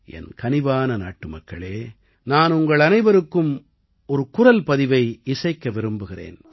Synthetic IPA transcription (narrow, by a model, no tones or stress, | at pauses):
ɛ̰nkɐnɪʋaːnɐna̰ːʈːɯmɐkːɐɭeː | naːnʊŋɡɐɭɐnɐɪʋɐɾɯkːɯm | ɔɾɯkʊrɐlpɐðɪʋɐɪɪsɐɪkːɐʋɪɾɯmbɯɣɪrḛːn